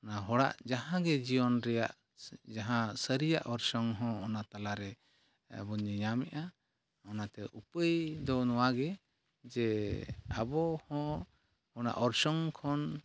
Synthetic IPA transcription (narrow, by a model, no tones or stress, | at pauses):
ɔnaɦɔɽa̰ʔd͡ʒaɦãɡɛd͡ʒijɔnɾɛjaʔ | d͡ʒaɦãsəɾijaʔɔɾsɔŋɦɔ̃ɔnat̪alaɾɛ | bɔɲiɲamɛʔa | ɔnat̪ɛʔupəjd̪ɔnɔwaɡɛ | d͡ʒɛ | abɔhɔ̃ | ɔna̰ʔɔɾsɔŋkʰɔn